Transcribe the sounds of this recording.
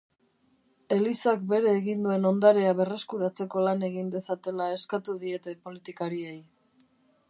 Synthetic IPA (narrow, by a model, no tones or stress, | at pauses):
e̞lisakbe̞ɾe̞ːɣind̪ue̞no̞nd̪aɾe̞aβe̞re̞skuɾat͡se̞ko̞lane̞ɣind̪e̞sat̪e̞lae̞skat̪uðie̞t̪e̞po̞lit̪ikaɾie̞j